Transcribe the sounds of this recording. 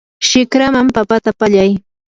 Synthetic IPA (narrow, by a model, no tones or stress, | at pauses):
ʃɪkɾamampapat̪apaʎaj